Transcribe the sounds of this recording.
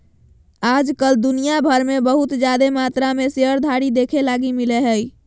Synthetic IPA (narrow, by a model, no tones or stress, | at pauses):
ad͡ʒkəld̪unijabʱəɾmebəɦut̪d͡ʒjad̪emat̪ɾameseəɾd̪ʱaɽid̪ekʰelaɡimileɦəj